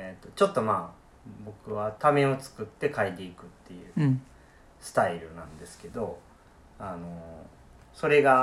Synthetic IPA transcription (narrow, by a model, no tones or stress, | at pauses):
et̪ːo̞t͡ɕo̞t̪ːo̞maː | bo̞kɯ̟βat̪ame̞o̞t͡sɨ̥kɯ̟t̪ːe̞kait̪e̞ikɯ̟t̪ːe̞jɯ̟̰ː | sɨ̥t̪aiɾɯ̟nãnd̪e̞sɨ̥ke̞d̪o̞ | ano̞ | so̞ɾe̞ɡa